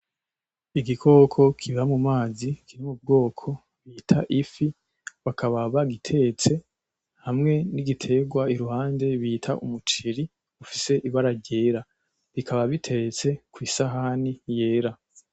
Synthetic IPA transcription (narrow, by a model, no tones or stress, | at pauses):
iɡikʰo̞ːkʰo̞kʰiβamumaːzikiɾimub̚ɡo̞ːkʰo̞ | βitʰaʔifi | βakʰaβaβaɡitʰe̞t͡se̞ | hamŋe̞niɡitʰe̞ɡwaiɾuhaːnde̞βiːtʰa̰ʔumut͡ʃiɾi | ufise̞ʔiβaɾaɟe̞ːɾa | βikʰaβaβitʰe̞ɾet͡se̞kwiːsaɦanije̞ːɾa